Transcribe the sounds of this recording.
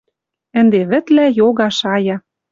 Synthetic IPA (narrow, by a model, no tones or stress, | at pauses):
ə̆nd̪eβɘ̆t̪læjoɣɑʃɑjɑ